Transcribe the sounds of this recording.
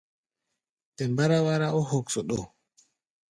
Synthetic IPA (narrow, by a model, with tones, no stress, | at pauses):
tɛ˨mba˦ɾa˦wa˦ɾa˦ɔ˦hɔ˨ksɔ˨ɗɔ˨